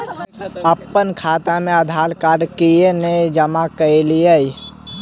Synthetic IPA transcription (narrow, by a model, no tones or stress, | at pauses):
əpːənkʰaːt̪ameəd̪ʱaːlkaɾɖkijened͡ʒəmakəeliəj